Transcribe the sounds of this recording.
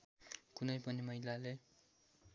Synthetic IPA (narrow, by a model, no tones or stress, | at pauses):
kunʌjpʌnimʌilale